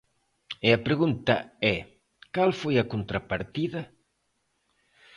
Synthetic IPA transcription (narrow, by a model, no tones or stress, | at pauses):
ɪɐpɾeɣunt̪ɐɛ | kalfojɐkont̪ɾapaɾt̪iðɐ